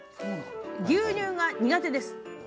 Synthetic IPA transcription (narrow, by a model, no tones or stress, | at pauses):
ɡʲɨːɲʲɨːɡaɲ̟iɡat̪e̞d̪e̞sɨ̥